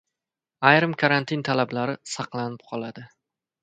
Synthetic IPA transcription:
ajɾɨmkʰaɾant̪ʰint̪ʰalablaɾɪsɑqlˠanɪp̚qʰɒlˠad̪ɪ

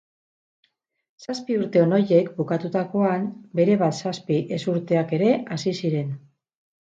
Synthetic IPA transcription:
saspiuɾt̪e̞ono̞je̞kbukat̪ut̪ako̞anbe̞ɾe̞β̞at̪saspiʔe̞suɾt̪e̞ake̞ɾe̞asisiɾe̞n

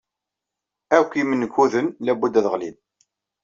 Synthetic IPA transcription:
ækʷːimənːəkːuðənlæbud̪æðəʁlim

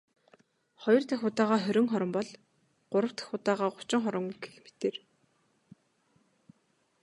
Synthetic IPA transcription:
χɔjɞ̆rt̪ʰæxʊt̪aːʁaːxœɾʲɪ̆ŋχɔɾɞ̆mpɔɮ | ɢ̥ʊɾə̆wt̪ʰæ̥xʊt̪aːʁaːɢʊ̥t͡ɕɪ̆ŋχɔɾə̆ŋɡe̥xmet̪eːr

